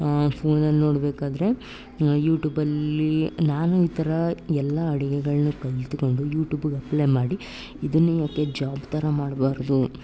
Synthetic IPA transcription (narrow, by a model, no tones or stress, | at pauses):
pʰo̞ːnɐlːno̞ːɽbeːkaːd̪ɐɾe̞ | juːʈjuːbɐlːinaːnuiːt̪ɐɾɐɛlːɐːɽiɡɛɡɐɭɐnukɐlt̪uko̞ɳɖujuːʈjuːbuɡɐpleːmaːɽi | id̪ɐnːujaːke̞d͡ʒaːbt̪ɐɾɐmaːɽbaːɾd̪u